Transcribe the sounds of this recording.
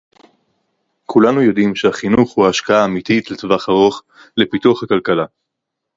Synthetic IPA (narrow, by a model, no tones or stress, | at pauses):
kʰulanujo̞dimʃehaχinuχhuaːʃkaaːmit̪itlet̪vaχaʁo̞χ | le̞pituaχhakalkala